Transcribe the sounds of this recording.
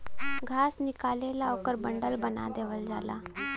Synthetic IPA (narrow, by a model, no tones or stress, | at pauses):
ɡʱaːsnɪkaːlelaokəɾbə̃ɳɖəlbəna̰d̪eːʋəld͡ʒa̰ːla̰ː